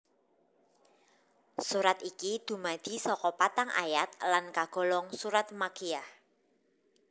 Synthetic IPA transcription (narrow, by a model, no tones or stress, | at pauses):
suɾat̪ikid̪̥ṳmad̪̥i̤sɔkɔpat̪aŋʔa̰jat̪̚lankaɡ̥ɔ̤lɔŋsuɾat̪̚makijah